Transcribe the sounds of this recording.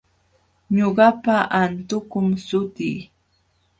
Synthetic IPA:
ɲoɢɑpaʔant̪ʊkʊmsʊt̪iː

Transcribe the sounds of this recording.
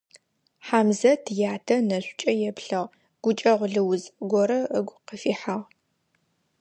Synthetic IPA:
ħaːmzɐtʰɨjaːtʰɐnɐɕʷʼt͡ʃʼɐjɛpɬɐʁ | ɡ̥ʷʊt͡ʃʼɐʁʷɮɨwʊzɡʷɔɾɐəɡʷqəfiːħaʁ

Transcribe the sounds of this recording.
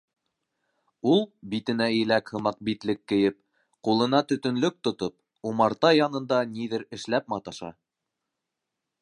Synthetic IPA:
ulˠbit̪ɘ̆næɘlækhɤ̆mɑq̚bit̪lɘkːɘ̆jɘp̚ | qulˠɤ̆nɑt̪ɵ̆t̪ɵ̆nlɵk̚t̪ŏt̪op̚ | umɑɾt̪ɑjɑnɤ̆nd̪ɑniðɘɾɘ̆ʃlæp̚mɑt̪ɑʃɑ̰

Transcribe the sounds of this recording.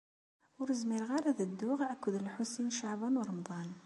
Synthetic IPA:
wɾˤəzmilɣɑɾˤɑðəd̪ːuɣʔækːʊd̪əlħusinʃaʕbɑnwɾˤɑmd̪ˤɑn

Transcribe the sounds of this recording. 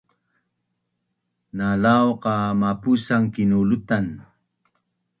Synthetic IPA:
nalawqɑmapusaŋkɪnulʊt̪an

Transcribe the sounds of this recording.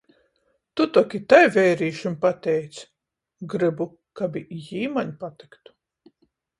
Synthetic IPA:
t̪ut̪ɔkʲit̪ajvɛjɾiːʃimpat̪ɛjt̪s | ɡɾɨbu | kabijiːmaɲpat̪i̥kt̪u̥

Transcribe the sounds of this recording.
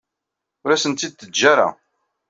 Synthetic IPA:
ʊɾæsənt̪ːid̪̚θəd̪d͡ʒːaɾa̰

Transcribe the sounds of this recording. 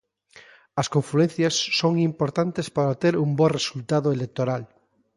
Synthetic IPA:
ɐskoɱfluen̟θjasːoŋimpoɾt̪ant̪espaɾat̪eɾumbɔresult̪aðoelek̚t̪oɾal

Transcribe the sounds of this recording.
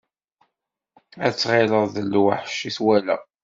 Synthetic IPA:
æt͡sːʁeləðəlːuwaħʃːiθwælæ̰

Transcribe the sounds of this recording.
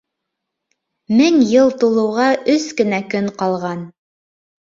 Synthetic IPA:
mɘŋjɤlˠt̪ulˠɤ̆wʁɑʔɵskɘ̆nækɵɴqɑlˠʁɑn

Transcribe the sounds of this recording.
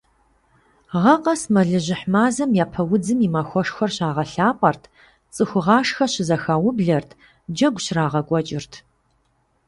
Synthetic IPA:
ʁɐqʼɐsmɐɮɨʑɪħmaːzɐmjaːpʰɐwʊd͡zɨmimaxʷɔʂxɐrɕaːʁɐɬaːpʷʼɐrtʰ | t͡sʼɨxʷʊʁɑːʂxɐɕɪzɐxaːwʊbɮɐrtʰ | d͡ʒɐɡʷɕraːʁɐkʷʼɔt͡ʃʼɪrtʰ

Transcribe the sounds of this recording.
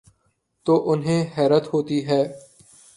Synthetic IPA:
t̪oːʔʊnɦẽːɦɛːɾət̪ɦoːt̪iɦɛː

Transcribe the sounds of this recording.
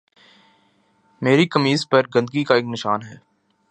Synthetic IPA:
meːɾikɐmiːzpɐɾɡɐ̃nd̪ɡikaeːknɪʃaːnɦɛː

